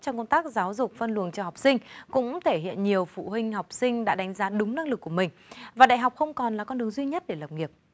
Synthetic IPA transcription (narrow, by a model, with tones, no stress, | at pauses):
t͡ɕɔ˧ŋ͡mko˧nt̪aː˦˥k̚zaː˨˦wzʊ˨˩k͡p̚fə˧nlɨ˨˩ənt͡ɕɔ˧ha˨˩wk͡p̚sï˧ŋ̟kʊ̰˧˥ŋ͡mt̪ʰe˧˩ɦḭ˧˨ənɲi˨˩əwfṵ˧˨ɦï˧ŋ̟ha˨˩wk͡p̚sï˧ŋ̟ɗa̰ː˧˥ɗa˨˦jŋ̟zaː˨˦ɗʊ˨˦ŋ͡mna˧ŋlɨ˨˩k̚ːu˧˩əmï˨˩ŋ̟vaː˨˩ɗa̰ː˧˨jɦa˨˩k͡p̚xə˧wŋ͡mkɔ˨˩nlaː˨˩kɔ˧nɗɨ˨˦əŋzwi˧ɲə˦˥t̚ɗe˧˩lə˨˩p̚ŋi˨˩əp̚